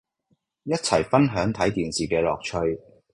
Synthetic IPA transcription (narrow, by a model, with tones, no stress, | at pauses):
jɐ˥t̚t͡sʰɐ˨˩jfɐ˥nɦœː˨˥ŋt̪ʰɐ˨˥jt̪iː˨nsiː˨˩kɛː˧lɔː˨k̚t͡ʃʰɵ˧ɥ